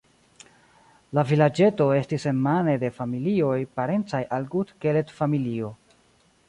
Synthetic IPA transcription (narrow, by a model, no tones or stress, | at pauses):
lavilad͡ʒe̞to̞e̞stise̞nmane̞de̞familio̞jpaɾe̞nt͡sajʔalɡudkele̞tfamilio̞